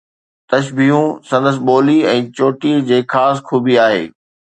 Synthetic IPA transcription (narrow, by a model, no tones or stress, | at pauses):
t̪ɐʃ̬bʱiɦũsɐ̃nd̪əs̬ɪɓoːliɛ̃ːt͡ɕoːʈid͡ʑeːxaːs̬xʰuːbiaːɦḛː